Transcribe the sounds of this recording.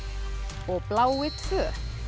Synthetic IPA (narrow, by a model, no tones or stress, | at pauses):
ɔɣplaːwɪt̪ʰfœː